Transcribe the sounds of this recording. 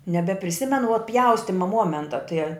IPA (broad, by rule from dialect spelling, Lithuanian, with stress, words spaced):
nʲɛbʲɛpʲrʲɪˈsʲɪmʲɛnʊ ʋuɔ ˈpʲjɛʊsʲtʲɪmɐ ˈmuɔmʲɛntɐ tɨɛ